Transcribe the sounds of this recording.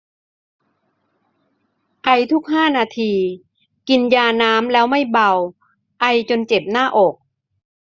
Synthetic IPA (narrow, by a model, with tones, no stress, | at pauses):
ʔa˧jt̪ʰu˦˥k̚haː˥˩naː˧t̪ʰiː˧ | ki˧njaː˧naː˦˥mlɛː˦˥wma˥˩jba˧w | ʔa˧jt͡ɕo˧nt͡ɕe˨˩p̚naː˥˩ʔɔː˨˩k̚